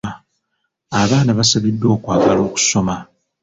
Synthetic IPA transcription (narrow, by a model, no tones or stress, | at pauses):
aβaːnaβasaβidːo̞ːkwaːɡalo̞ːku̥so̞ma